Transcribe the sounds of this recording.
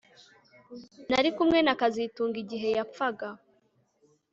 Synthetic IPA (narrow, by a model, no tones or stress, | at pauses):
naɾikumŋe̞nakazituːŋɡiɟiɦe̞japfaɡa